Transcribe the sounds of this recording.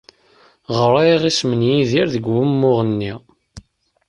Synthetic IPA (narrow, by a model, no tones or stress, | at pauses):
ʁəɾˤæʁismənjiðiɾðəɡwumːʊʁənːi